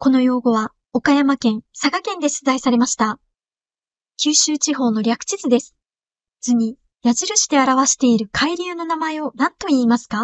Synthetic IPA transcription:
ko̞no̞jo̞ːɡo̞βa | o̞kajamakẽ̞ɰ̃sakakẽ̞nd̪e̞sɨzaisaɾe̞maɕi̥t̪a | kʲɨːɕɨːt͡ɕiɦo̞ːno̞ɾʲakɯ̟̥t͡ɕit͡sɨd̪e̞sɨ̥ | d͡zɨɲ̟i | jaʑiɾɯ̟ɕi̥t̪e̞aɾaβaɕi̥t̪e̞iɾɯ̟kʰaiɾʲɨːno̞namae̞o̞nãnt̪o̞iːmasɨ̥ka

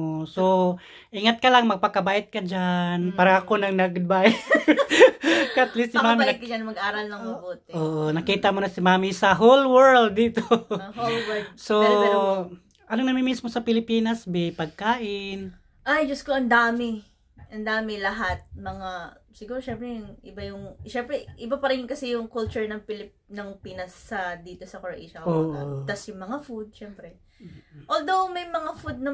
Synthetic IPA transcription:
ʔoso | ʔɪŋat̪̚kɐlaŋmɐɡ̚pɐkɐbaːʔɪt̪̚kɐd͡ʒanpaːɾɐŋɐko̞nɐŋnɐɡʊd̪̚bajɛ | kɐʔɐt̪list̪̚sɪmaːmit̚kɐd͡ʒanɐmɐɡɐaːɾɐlnɐŋmɐboːt̪̚ɛʔoːʔonɐkiːt̪ɐmonɐsɪmaːmisɐɦolwɛɹld̪ːiːt̪oolwso | ʔɐloŋnɐmɪnmismo̞sɐpɪlɪpiːnɐsbɛpɐɡ̚kaːʔɪn | ʔajd͡ʒɐskoʔɐnd̪aːmɪ | ʔɐnd̪aːmɪlɐɦat̪̚mɐŋa | sɪɡuːɾoʃɛmpɾɛjʊŋʔɪbajʊŋʃɛmpɾɛʔɪbapɐɾɪnjʊŋkɐsɛjʊŋkʊlt͡ʃʊɹnɐŋpɪlɪpnɐŋpiːnɐsːɐd̪iːt̪o̞sɐkoɹʔḭʃɐoːʔot̪ɐsjʊŋmɐŋafud̪̚ʃɛmpɾɛ | ʔoːld̪owmɐjmɐŋafud̪̚nɐ

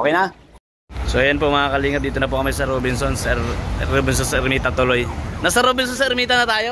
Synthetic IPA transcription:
kejna | sojɐnpomɐŋaːkɐliːŋɐp̚d̪iːt̪onɐp̬oʔkɐmajsɐɾoːbɪnsonsɛɾɾoːbɪnsonsɐɾmiːt̪ɐt̪ʊlo̞jnɐsɐɾoːbɪns̬onsɐɛɾmiːt̪ɐnɐt̪aːjo

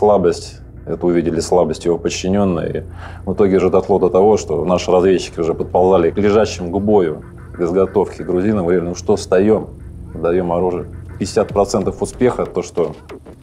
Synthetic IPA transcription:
slˠabəsʲtʲ | ɛt̪əʊvʲidʲɪlʲɪslˠabəsʲtʲjɪvopət͡ɕːɪnʲo̞nːə̰jə̰ḭ | vɨt̪o̞ɡʲɪʊʐɛd̪ɐslˠod̪ət̪ɐvo̞ʂt̪o̞̰naʂɨɾɐzvʲet͡ɕːɪ̥kʲɪʊʐɛpət̪̚pɐlˠzalʲɪklʲɪʐaɕːɪmʊɡbo̞jʊ | ɡʲəzɡɐt̪o̞fkʲɪɡɾʊzʲinəɡəvɐɾʲilʲɪnuʂt̪ost̪ɐjo̞mɨd̪ɐjo̞mɐɾuʐɨəpʲɪdʲɪsʲat̪̚pɾɐt̪sɛnt̪əfʊspʲe̞xət̪ːo̞ʂt̪o̞

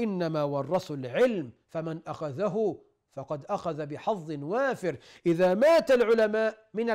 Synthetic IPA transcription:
ʔɪnːamaːwɑrˤːɑsʊlʕɪlmfamanʔaxaðaɦʊ | fɑqɑd̪ʔaxaðabɪħɑðˤːɨnwaːfɪɾ | ʔɪðaːmaːt̪alʕʊlamaːʔ | mɪna

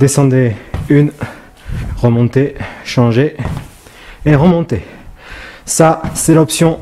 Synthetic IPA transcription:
d̪esɑ̃d̪ɛyn | ʁəmɔ̃t̪eʃɑ̃ʒe | ʁəmɔ̃t̪e | sasɛlɔpsjɔ̃

